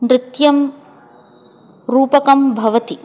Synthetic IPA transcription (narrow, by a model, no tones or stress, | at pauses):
mɾɪt̪jɐm | ɾuːpɐkɐmbʱɐʋɐt̪i